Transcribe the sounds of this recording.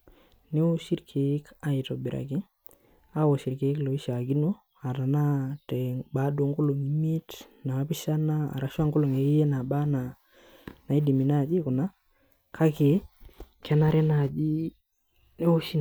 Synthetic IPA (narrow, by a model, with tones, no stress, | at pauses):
ne˦o˦ʃi˦ɾkʰe˨ɪ˦ka˨i˨tɔ˨bɪ˨ɾa̰˨ki˦ | a˦wo˨ʃi˨ɾke˨ɪ˦klo˨i˦ʃa˨ɡi˦no˦ | a˨ɾa˨na˦tɛ˨ba˨˦do˨ŋɡo˦lo˨ŋi˨mi˦t | na˨˦pi˦ʃa˦na˦a̰˨ɾa˨ʃa˦ŋkʊ˦lo˨ŋe˨i˦je˦na˨ba˦na˨ | na˨i˦di˨mi˨na˦˨d͡ʒi˦kʊ˨na˦ | kʰa˦ke˨kʰɛ˦na˦ɾɛ˦na˨d͡ʒi˦ | ne˦o˦ʃi˦n˨